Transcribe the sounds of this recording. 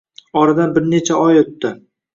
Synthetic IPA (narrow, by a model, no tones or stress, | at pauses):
ɒɾad̪anbɪɾne̞t͡ʃʰaɒjot̪ːɪ